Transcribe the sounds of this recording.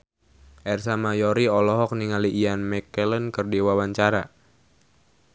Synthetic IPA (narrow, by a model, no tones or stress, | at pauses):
ʔɛrsamajɔɾiɔlɔɦɔk̚niŋaliʔːanmɛkɛlənkərdiwawaɲt͡ʃaɾa